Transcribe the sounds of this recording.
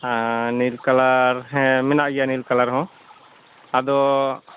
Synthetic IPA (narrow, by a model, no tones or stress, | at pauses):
nilkalaɾɦɛmɛnaʔjanilkalaɾɦɔ̃ | ad̪ɔ